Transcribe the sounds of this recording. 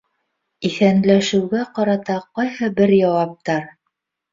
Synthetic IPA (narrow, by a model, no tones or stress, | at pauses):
iθænlæʃɘ̆wɡæqɑɾɑt̪ɑqɑjhɤbɘɾjɑwɑp̚t̪ɑɾ